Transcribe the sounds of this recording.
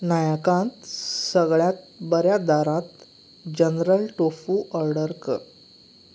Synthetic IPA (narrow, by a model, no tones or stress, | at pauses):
najakãnt̪səɡɭjat̪̚ | bəɾjad̪aɾãt̪ | d͡ʑənɾəlʈofuʔəɾɖəɾkə̰